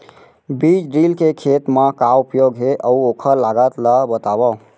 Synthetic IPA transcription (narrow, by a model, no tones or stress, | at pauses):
bid͡ʒɖilkekʰet̪mãkaupjoɡɦeʔəuokʰəɾlaɡət̪ləbət̪abɔ